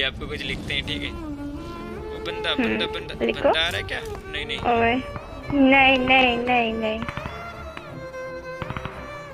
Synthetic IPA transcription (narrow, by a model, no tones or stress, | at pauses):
aːp̚kokʊt͡ʃlɪkʰt̪eɦɛ̃ʈʰiːkɛ | ɦlɪkʰːo | o | nɐĩnɐĩnɐɦĩnɐɦĩ